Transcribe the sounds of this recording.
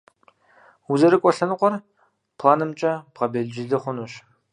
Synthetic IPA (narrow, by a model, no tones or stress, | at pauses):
uzɐɾɨkʷʼɔɬɐnɨqʷɔr | pʰlˠaːnɨmt͡ʃʼɐb̥ʁɐbeɮd͡ʒɪɮɨχʷʊnuɕ